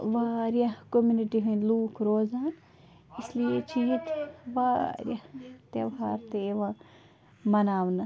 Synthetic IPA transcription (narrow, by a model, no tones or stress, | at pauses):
ʋaːɾjɐkomjuniʈiɦɐnluːkɾoːzãːn | islijet͡ʃiːt̪ʋaːɾʲjɐt̪eʋɦaːɾt̪eeʋãː | mɐnaːʋnɨ